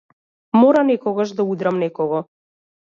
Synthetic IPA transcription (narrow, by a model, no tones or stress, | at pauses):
mɔɾanɛkɔɡaʒd̪aud̪ɾamnɛkɔɡɔ